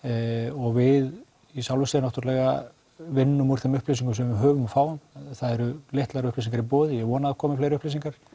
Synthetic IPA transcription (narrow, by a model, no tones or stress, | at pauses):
ɔɣvɪð | isawlvʏsnawht̪ʏɾlɛɣa | vɪnːʏmuɾ̥θɛmʏhplesiŋkʏms̬ɛmvɪɦœːvʏmfaːwnθaðɛɾʏleht̪laɾʏhples̬iŋkaɾipoːðɪjɛɣvɔːnaðakʰɔːmɪflejɾʏhplesiŋkaɾ̥